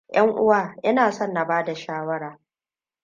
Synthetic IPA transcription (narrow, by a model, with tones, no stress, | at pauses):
jʔɐ˦ŋʔʊ˦waː˦˨ʔɪ˦naː˨sɔ˦nːa˨baː˦da˨ʃaː˦wɐ˦ɽaː˨